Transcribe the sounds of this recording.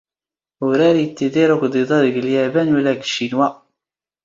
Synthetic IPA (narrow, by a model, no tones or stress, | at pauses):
ʊɾaɾjət͡sːiðiɾʊkd̪ˤiðˤɑðɡəljævænulæɡə̥ʃːinwæ